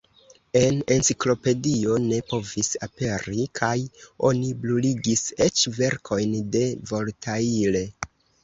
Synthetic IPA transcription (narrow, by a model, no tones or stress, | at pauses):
e̞ne̞nsiklo̞pe̞dio̞ne̞po̞visape̞ɾikʰajo̞̰nibluliɡise̞t͡ʃve̞ɾkʰo̞jnde̞vo̞ltʰaile̞